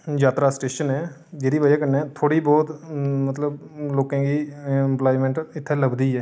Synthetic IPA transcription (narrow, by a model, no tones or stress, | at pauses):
d͡ʒaːt̪ɾasʈeːʃənɦɛː | d͡ʒeːɾibəd͡ʒakəɾneɛt̪ʰoːɽibɔːt̪mət̪ləbloːkẽːkiɪ̃mplaːɪmẽɳʈɪt̪ʰːeləbd̪iɛː